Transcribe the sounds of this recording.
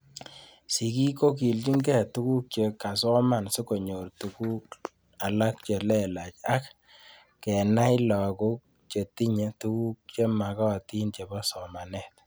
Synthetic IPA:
si˨ki˦ko˦k̬i˨lt͡ʃi˦ŋɡɛ˦tu˦ku˦k̚t͡ʃe˨ka˨sɔ˦ma˦˨nsu˦ko˨ɲo˨rtu˨ku˦k | a˨la˦k̚t͡ʃe˨lɛ˦˨la˨t͡ʃa˦k | kɛ˨na˦jla˨ku˦k̚ | t͡ʃe˨ti˦ɲe˨tu˦ku˦k̚t͡ʃe˦ma˨ka˦wa˨ti˦nt͡ʃe˨ba˦sɔ˨ma˨nɛ˨t̚

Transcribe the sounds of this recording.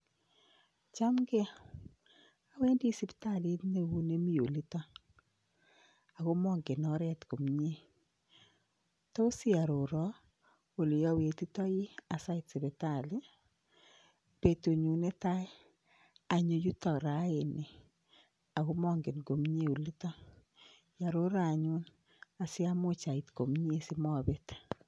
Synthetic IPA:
t͡ʃa˦mɡe˦ | a˨we˦ndi˦si˦be̥˦ta˦˨li˦tne˦wu˦ne˦mi˦o˨li˦ta˦ | a˨ɣo˦mɔ˦ŋɡɪ˨nɔ˦ɾɛ˦tɡo˨mɲe˦ | tɔ˦o˦sɪ˦a˨ɾo˨ɾɔ˨˦ | o˨lɪ˨jɔ˦we˨ti˦tɔ˦jɪ˦a˨sa˦ɪ˦tsi˨βe˨ta˦˨lɪ˦ | pe˨tu˨ɲu˨ne˦ta˦ | a˨ɲo˨ju˦tɔ˨ɾa˨˦e˨ne˨ | a˨ɣo˦mɔ˦ŋɡe˨nɡo˨mɲe˦u˨li˦tɔ˦ | ja˨ɾo˦ɾa˨ɲu˦n | a˨si˦a˦mo˦t͡ʃa˨i˨tko˨mɲe˦si˦mɔ˦be˦t

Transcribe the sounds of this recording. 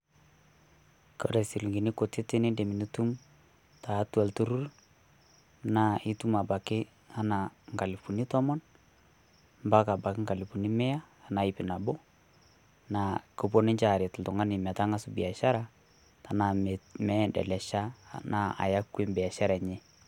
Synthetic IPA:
kɔ˦ɾɛ˨si˨lŋɡi˨ni˦ko˨te˦tɪ˦ni˦nde˨mi˨ni˦tu˦m | ta˨˦ta˨ltu˦ɾu˦r | na˨ɪ˦tu˦ma˨ba˨kɪ˦ | a˦na˨ŋɡa˨li˨pu˨ni˦tɔ˦mɔ˦n | mba˦ka˨ba˨kɪ˦ŋɡa˨li˨pu˨ni˦mɛ˦aː˦˨na˨ɪ˨pɪ˨na˨bɔ˦ | na˨ko˨b̬o˦nɪ˦ɲt͡ʃa˨ɾɪ˨tltʊ˨ŋa˦nɪ˨mɛ˨ta˦ŋa˦sʊ˦bɪ˨a˨ʃa˦ɾa˦ | ta˨na˨mɛ˦dɛ̰˨lɛ˨ʃa˦na˦a̰˨ja˦kːe˦mbɛ˨a˨ʃa˦ɾa˨ɲɛ˦

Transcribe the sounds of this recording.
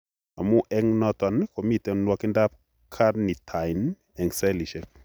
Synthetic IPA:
a˨mu˦ʔɛ˦ŋnɔ˦tɔ˨nko˨mi˦tɛ˨nwɔ˦kɪ˦nda˦p̚ | kʰa˦ɾni˨tʰa˨ɪn | ɛ˨ŋsɛ˦li˨ʃɛ˨k̚

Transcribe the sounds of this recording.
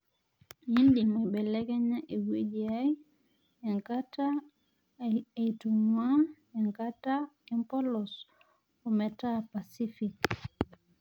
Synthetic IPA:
i˦ndi˨mwe˨ɓɛ˨lɛ˦kɛ˦ɲa˦ʔe˨wwe˦d͡ʒi˨a˦i | a˨ŋkata˨ | itumwa˦ | ɛ˨ŋka˦taɛ˦mpɔ˦lɔs | ɔ˨mɛ˨ta˦pa˨si˦fi˨k

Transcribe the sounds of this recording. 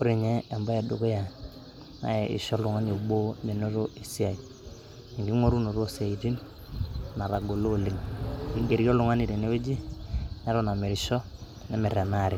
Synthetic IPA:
ʊ˦ɾi˨ɲɛ˦a˨mba˦a˨do˨ko˦ja˨ | na̰˨˦e˨ɪ̰˨ʃɔ˦lʊ˨ŋa˦ɲo˨bo˦me˨no˦ɾo˦e˨si˦a˨i˨ | ni˨ŋɡi˦ŋo˦ɾu˦no˨ɾo˦sa˨i˨ti˦n | na˨ɾa˨ɡo˨lo˦˨lɪ˦ŋ˨ɡi˦ɡe˨ɾo˦lʊ˦ŋa˦ni˨ɾe˨ne˦we˦d͡ʒi˦na˦ɾo˦na˨me˨ɾɪ˨ʃɔ˦ | ne˦mɛ˨ɾa˨na˦˨ɾɪ˨

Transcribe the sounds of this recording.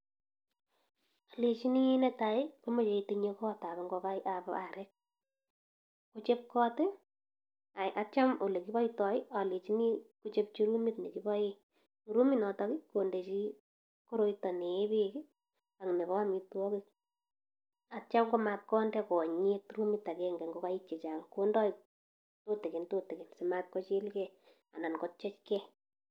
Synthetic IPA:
a˨le˨t͡ʃi˦ni˦nɛta˨ɪ˦kome˨t͡ʃe˨iteɲekɔta˨bɛ˨ŋɡo˧ka˦jʔapaɾʔɛk̚ | kut͡ʃe˦p̚kɔ˦te | a˨ʔa˦t͡ʃa˦mo˨le˨ki˦bɔ˦jtɔ˨ɪ˦ʔa˨le˨t͡ʃi˦ni˦kut͡ʃe˦p̚t͡ʃi˦ɾu˦mi˦tne˨ki˦bɔ˦je | uɾu˦mi˦nɔtɔki˦konde˨t͡ʃi˦ | koɾo˦jtɔ˨neː˨be˦ki | a˨ŋne˨βɔ˦amitu˦wɔ˦kik̚ | at͡ʃamɡomat̚kɔndɛkɔ˨ɲetuɾumita˨kɛŋɡɛ˨ŋɡokait͡ʃːe˨t͡ʃa˨ŋkondɔ˦i | tote˨ke˨ntote˨ke˨nse˨mat̚kɔt͡ʃe˦lkɛ | a˨na˨nkɔt͡ʃɛ˦t͡ʃkɛ

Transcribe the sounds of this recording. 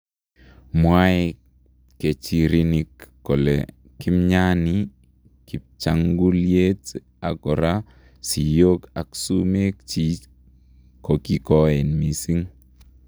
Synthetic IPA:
mwa˦ɪ˦ | ke˨t͡ʃi˨ɾi˦ni˨kː | ɔ˨lḛ˨ | kɪ˦mɲa˦ni | ki˨p̚t͡ʃa˦ŋɡu˦lje˦t | a˨ɡɔ˨ɾa˦ | si˨joka˨ksu˦me˦k̚t͡ʃi˦ | kɔ˨ki˦kɔ˦ɛ˨nmi˨si˦ŋ

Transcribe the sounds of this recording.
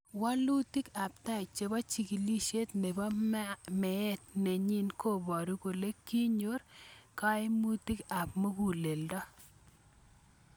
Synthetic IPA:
wa˦lu˦ti˦ka˨p̚ta˦ɪ˨t͡ʃe˨ba˦t͡ʃi˨ki˨li˦ʃe˦tne˨ba˦mɛ˨ɛ˦t̚ne˨ɲi˦nko˦˨bɔ˨ɾi˦ko˨le˦kːi˦ɲo˦ɾka˦ɪ˦mu˦ti˦ka˨p̚mo˦ɡu˦˨le˨ldɔ˦

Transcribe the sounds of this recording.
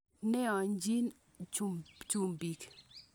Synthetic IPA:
ne˦ã˨nd͡ʒi˦n | t͡ʃut͡ʃumbi˨k

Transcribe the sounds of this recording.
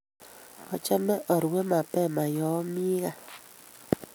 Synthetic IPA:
ɔ˨t͡ʃɛ˦mɛ˦ʔɔ˨ɾwe˦ma˨pɛ˦˨ma˨jɔ˨˦mi˦ɣa˦

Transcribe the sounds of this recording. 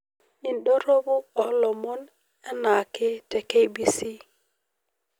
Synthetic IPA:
i˨nɗɔ˦ɾo˦bo˦ɔ˨˦lɔ˨mɔ˦n | ɛ˦na˨ki˦te˨ke˦jbi˦si˦

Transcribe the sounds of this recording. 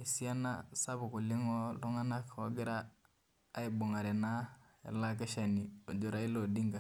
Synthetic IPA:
e˨si˦a˦na̰˦sa˦bʊ˨ku˨lɪ˦ŋɔ˦lɔ˦ŋa˦na˦kɔ˦ɡɪ˦ɾaː˦ | i˨bo˨ŋa˨ɾɛ˨na˦ | ɛ̰˨la˦k̬ɛ˦ʃa˨ni˨o˨d͡ʒo˨˦ɾa˦i˦lo˨di˦ŋka˨

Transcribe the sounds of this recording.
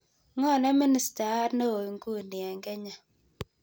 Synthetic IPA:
ŋɔ˦˨nɛ˦mi˦ni˨˦sta˨˦ɾno˦o˨i˨ŋɡu˦˨njɛ˨ŋɡɛ˦ɲa˨

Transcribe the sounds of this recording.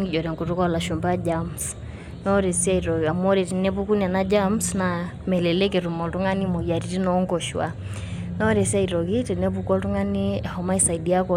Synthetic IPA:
ŋi˦d͡ʒɔ˨ɾɛ˨ŋku˨tu˦kɔ˦la˨ʃu˨mba˦d͡ʒams | nɔ˦ɾɛ˨si˦a˦i˨ɾɔɣa˨mɔ˦ɾi˨ti˨nɛ˦pu˦ku˦nia˨na˦d͡ʒamsna˨ | mɛ˨lɛ˨lɛ˦kɛ˨ɾu˨mɔ˨tu˦ŋa˦ni˦mɔ˨ja˨ɾi˨ti˦nɔːŋɡɔʃwa̰˨ | nɔ˦ɾɛ˨si˦a˦i˨ɾɔ˨ɣi˦tɛ˨nɛ˦pukɔ˦tu˦ŋa˦ni˦ɛ˨hɔma˦i˦sa˨idi˨a˦kɔ

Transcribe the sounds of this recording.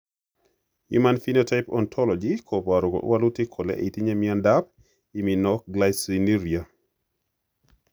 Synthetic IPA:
jṵ˦manfi˦notaɪpɔ̰˨ntʰɔ˦lɔ˨d͡ʒikʰo˨pa˨ɾo˨ɡo̰˨ʔwa˦lʊ˦te˦kʰo˨lḛ˦ʔi˨ti˦ɲe˦mia˦nda˦p̚ | i˨mi˨nɔkɡlasi˨ni˦ɾia˨

